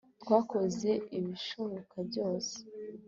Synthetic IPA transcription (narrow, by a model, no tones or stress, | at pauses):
t̪kwaːkoze̞ʔiβiʃoβokʰabɟo̞ːse̥